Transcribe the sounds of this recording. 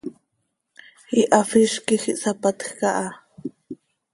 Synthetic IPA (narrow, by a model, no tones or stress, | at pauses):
hiʔafiʃkixiʔsapat̪xkaʔa